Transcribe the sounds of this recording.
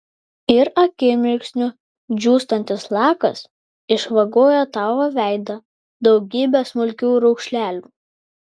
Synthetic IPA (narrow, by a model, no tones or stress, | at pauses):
ɪɾɐkʲɪmʲɪɾʲksʲnʲʊ | d͡ʒʲuːst̪ɐnʲt̪ʲɪslˠɑːkɐs | ɪʃʋɐɡoːjɛt̪ɑʋoʋʲæˑɪd̪ɐ | d̪ɒʊɡʲiːbʲɛsmʊlʲkʲuːɾɔʊkʃʲlʲæːlʲuː